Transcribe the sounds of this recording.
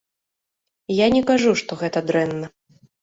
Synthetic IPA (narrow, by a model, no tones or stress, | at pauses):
janʲɛkaʐuʂt̪ɔɣɛt̪ɐd̪ɾɛnːɐ